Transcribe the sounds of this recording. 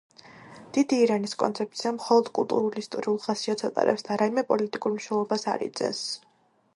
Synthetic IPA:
d̪̥id̪iːɾaniskʼɔ̰nt̪sʰɛp̚t̪sʰiamχɔlˠɔd̪̥kʼulˠt̪ʼuɾulist̪ʼɔ̰ɾiulˠʁasiɔt̪sʰat̪ʼa̰ɾɛ̰psd̪aɾaimɛpʼɔlit̪ʼikʼuɾmniʃɛlˠɔbasa̰ɾḭt̪sʼɛ̰s

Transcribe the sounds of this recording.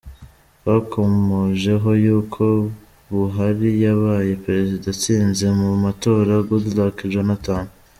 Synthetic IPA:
βakʰo̞moʒe̞ɦo̞juːkʰo̞ | βuɦaɾijaβaːje̞pɾe̞zidat͡siːnze̞mumato̞ɾaɡodulakiʒɡenataːnu

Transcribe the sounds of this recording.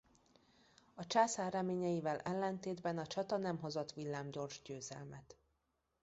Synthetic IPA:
ɒt͡ʃaːsaːrːɛmeːɲɛjivɛlʔɛlːɛnt̪eːd̪bɛnɒt͡ʃɒt̪ɒnɛmɦozot̪ʋilːaːmɟo̞rʒɟøːzɛ̰lmɛt̪

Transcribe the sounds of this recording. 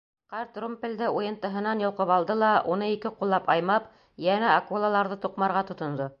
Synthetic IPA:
qɑɾt̪rumpʲɘ̆ld̪ɘʔujɤ̆nt̪ɤ̆ɦɤ̆nɑnjŏwqɤpɑlˠd̪ɤlˠɑʔunɤikɘqulˠːɑpɑjmɑp | jænæɐkulˠalˠɑɾðɤt̪uqmɑɾʁɑt̪ŏt̪ŏnd̪o

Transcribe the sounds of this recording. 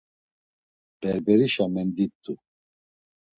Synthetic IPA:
b̪̥ɛɾbɛɾiʃamɛnd̪it̪ʼːu

